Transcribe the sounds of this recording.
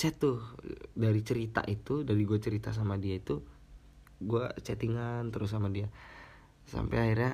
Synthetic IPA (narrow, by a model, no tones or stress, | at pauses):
sɛt̪ʊdaɾit͡ʃəɾit̪a̰ʔit̪udaɾiɡuat͡ʃəɾit̪as̬amadiait̪u | ɡuat͡ʃɛt̪iŋant̪əɾʊs̬amadia | sa̰mpɛ̰aiɾja